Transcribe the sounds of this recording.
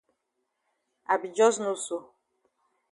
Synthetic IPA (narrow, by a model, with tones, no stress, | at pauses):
a˨bi˨d͡ʒɔ˦znu˦so˦